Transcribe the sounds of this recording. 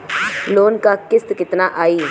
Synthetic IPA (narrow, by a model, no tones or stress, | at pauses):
loːnkakɪst̪kɪt̪naːʔaːiː